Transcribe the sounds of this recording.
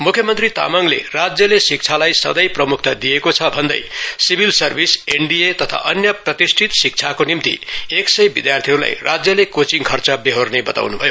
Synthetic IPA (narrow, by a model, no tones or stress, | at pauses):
mukʰjʌmʌnt̪rit̪a̰mʌŋlḛrad͡zjʌlesik̚t͡sʰalajsʌ̰d̪ʌjprʌmukʰt̪ad̪ijekot͡sʰʌbʱʌnd̪ʌ̰jsibʱilsʌrbʱiseɳɖiet̪ʌt̪ʰa̰ʔʌnjʌprʌt̪isʈʰit̪sik̚t͡sʰakonimt̪ḭeksʌjbid̪jart̪ʰiɦʌɾula̰jra̰d͡zjʌlekot͡siŋkʰʌrt͡sʌbeɦornebʌt̪a̰wnubʱʌjo